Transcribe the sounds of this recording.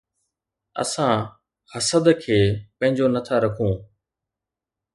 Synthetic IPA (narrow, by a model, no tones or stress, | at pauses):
ə̰sãː | həsəd̪kʰeːpɐ̃ɦɪ̃ɲd͡ʑonət̪ʰaɾɐkʰũː